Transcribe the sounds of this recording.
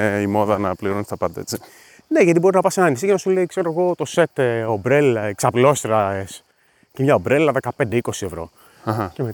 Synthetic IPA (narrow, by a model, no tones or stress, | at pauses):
imo̞ðɐnɐpliɾonst̪ɐpɐd̪ɐ̰et͡si | ne̞ʝɐt̪ibo̞ɾiznɐpɐsenɐnis̬iʝenɐsuleikse̞ɾoɣo̞t̪o̞se̞t̪obɾeleksɐplo̞st̪ɾɐes | cemɲɐobɾelɐðe̞kɐpe̞nd̪eiko̞sievɾo̞̰ | xɐe